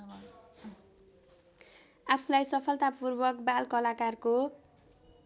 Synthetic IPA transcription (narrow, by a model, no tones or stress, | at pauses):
apʰulajsʌpʰʌlt̪apurbʌkbalkʌlakarko